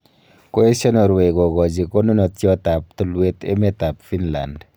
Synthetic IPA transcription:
ko˦e˦sɔ˦nɔ˨ɾwe˨ɡɔ˨ɡɔ˨d͡ʒi˨ko˦nu˦nɔ˨tjɔ˦ta˨p̚tu˨lwe˦tḛ˦me˦ta˨pfi˦nla̰˨nd

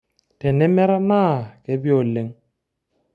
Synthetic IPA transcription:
tɛ˨nɛ˦mɛ˦ɾa˦naː˦˨kɛ˦bi˦o˨le˨˦ŋ

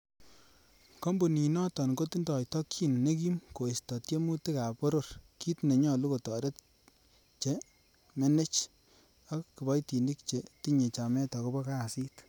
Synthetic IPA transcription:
kɔ˦mbu˨ni˨nɔ˦tɔ˨nko˦ti˦ndɔ˨jtɔ˦kːi˦nne˦ki˦mko˨i˨stɔ˨tje˦mu˦te˦ka˨po˦ɾo˦rki˦tne˨ɲɔ˨lu˦ko˨tɔ˨ɾe˦t | t͡ʃe˨ | me˦ne˦t͡ʃ | aː˦i˨bɔ˦jti˨ndi˦kt͡ʃe˨ti˦ɲe˨t͡ʃa˨mɛ˦tɔ˨ko˦bɔ˦ka˦˨si˦t

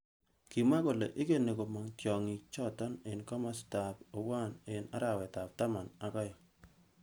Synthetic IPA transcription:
ki˨ma˦ko˨lḛ˨ʔɪ˦ke˦ne˨ko˨ma˨ŋkjɔ˨ŋi˨t͡ʃɔ˦tɔ˦nɪ˨nka˦ma˦sta˨po˨wa˦˨nɪ˨na̰˦ɾa˨wɛ˨ta˨p̚ta˦ma˨na˨kɔ˦jɔ˨

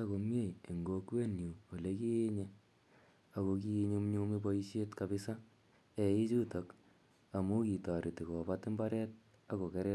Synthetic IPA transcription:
a˦ko˨mje˦˨je˨ŋɡo˨kwe˦nju˨wo˨le˦ki˦je˦ɲe˦ | a˨ko˧k̬i˦ɲu˦mɲu˦mi˦bo˦i˦ʃe˦tkabi˦sa˦ | e˨i˦t͡ʃu˦to˨k | a˨mu˦ki˨ta˨ɾi˨ti˨ko˨batɪ˦mbaɾɛ˦t̚ | a˦ko˨ke˦ɾɛ˦

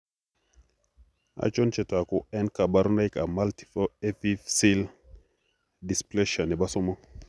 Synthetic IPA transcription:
a̰˨t͡ʃo˦nt͡ʃe˨ta˨ku˨ɛ˦nka˨ba˦ɾu˦na˦jka˨ma˦lti̥˨fo˦e˦fi˦fsi˦l | di˨sple˦ʃa˨nɛ˨ba˦so˦mɔ˦

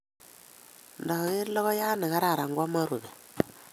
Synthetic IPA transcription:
nda˨ɣa˨ɣe˦ɾlɔ˦ɣɔ˦ja˦nɪ˨ɣa˦ɾa˨ɾa˨ŋɡwa˦ma˦ɾu˨ðe˨

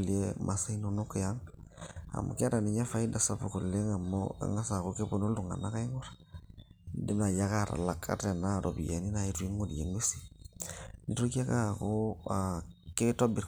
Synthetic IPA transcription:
le˦mʔa˨sa˦i˦no˦no˦ko˨ja˦ŋ | a̰˨mo̰˨ke˦a˦ɾa˨ni˨ɲa˦fa˦i˦da˨sa˦po˨ko˨le˦ŋa˨mo̰a̰˦ŋa˦sa˨ko˦ke˦bo˦˨no˦lu˨ŋa̰˨na˦ka˦i˦ŋo˦ɾḁ | de˦na˨ja˦ka˦˨ɾa̰˨la˨kʰa̰˦te˨na˦˨ɾo˨bi˨ja˨ni˦na˨i˦tu˦i˦ŋo˦˨di˨je˨ŋe˦si̥˦ | ni˨˦ɾu˦ki˦a˦ka˦˨ko˦ake˦to˦bi˨ɾ

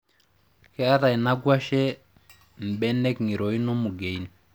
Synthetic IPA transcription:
kɛ˦a˦ɾa˨i˨na˦ɡwa˦ʃɛ˦ | m̩˨ɓɛ˦nɛ˦kŋi˨ɾo˨i˦no˦mu˨ɡe˨i˦ni˨

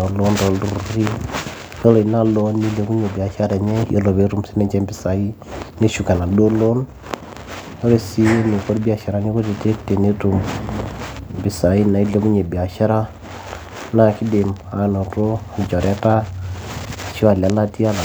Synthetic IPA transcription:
o˨lo˦ndo˨lu˨ɾɾi˦ | jɔ˦lɔ˨i˨na˦lɔ˦nːi˦le˨˦ku˦ɲe˨bi˨a˨ʃa˦ɾa˨ɲe˦jo̰˦lo˨βe˦tu˨msi˦mɛ˨ɲd͡ʒɛ˦mbi˨sa˨i˦ne˦ʃu˨ka˨na˨do˦lo˦n | jo˦ɾe˨si˦je˦ne˨ko˦ɾbi˦a˨ʃa˨ɾa˨˦ɲe˦ku˦te˨te˦kte˨ne˦tu˨m | mbi˨sa˨i˦na˨i˦le˦ku˦ɲe˨bi˨a˨ʃa˦ɾa˦ | na˨ki˦de˨ma˨no˨to˦a˨d͡ʒa˨ɾɛ˦ta˦˨ | ʃi˦a˨la˨˦la˦ti˦a˦la˨

